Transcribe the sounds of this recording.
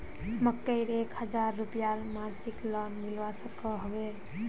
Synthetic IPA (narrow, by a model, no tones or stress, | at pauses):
məkːəɪɾekhəd͡ʒaɾːupijaɾmaɾsiklɔnmilʋasəkəɦɔbe